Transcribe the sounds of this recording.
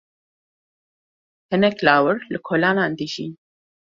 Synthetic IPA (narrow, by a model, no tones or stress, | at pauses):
hɪnɛklaːwəɾlɨkʰoːlaːnaːnd̪ɨʒḭːn